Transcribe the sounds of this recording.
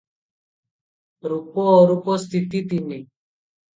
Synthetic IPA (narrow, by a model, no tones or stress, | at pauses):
ɾupɔːɾupɔst̪ʰit̪it̪ini